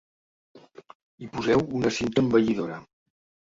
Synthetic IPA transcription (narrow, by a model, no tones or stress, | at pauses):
ipuzɛwunəsint̪əmbəʎiðoɾə